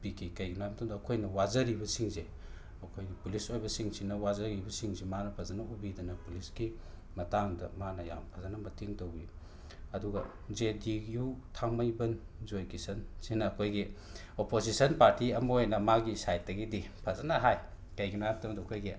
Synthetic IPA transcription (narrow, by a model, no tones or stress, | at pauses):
bikʰikɐjɡinojamtʰɐmdɐːkʰojnɐwazɐɾibɐsiŋze | ɐkʰojɡipulisojbɐsiŋsinɐwazɐɾibɐsiŋzemanɐpʰɐzɐnɐubidɐnɐpulisɡi | mɐtaŋdɐ̰manɐja̰mpʰɐzɐnɐmɐtʰiŋtɐwɡi | ɐduɡɐ̰ | d͡ʒedijutʰaŋmɐjbɐn | zojkisɐnsinɐːkʰojɡi | opozisɐnpaɾtiɐmɐojnɐmaɡisajt̚dɐɡidipʰɐzanɐɦaj | kɐjɡinajamtʰɐmdɐːkʰojɡi